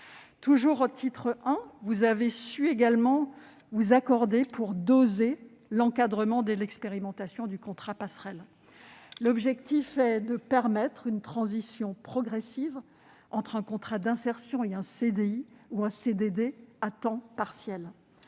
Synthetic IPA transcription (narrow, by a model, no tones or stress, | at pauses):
t̪uʒuʁot̪ʰit̪χəɛ̃vuzavesyeɡalmɑ̃ | vuzakɔʁd̪epʰuʁd̪oze | lɑ̃kad̪ʁəmɑ̃d̪əlɛkspeʁimɑ̃t̪asjɔ̃d̪ykɔ̃t̪χapasχɛl | lɔbʒɛkt̪ifɛd̪əpɛʁmɛt̪χynt̪χɑ̃zisjɔ̃pχɔɡʁɛsiv | ɑ̃t̪χɛ̃kɔ̃t̪χad̪ɛ̃sɛʁsjɔ̃eɛ̃sed̪eiuɛ̃sed̪ed̪eat̪ɑ̃paʁsjɛl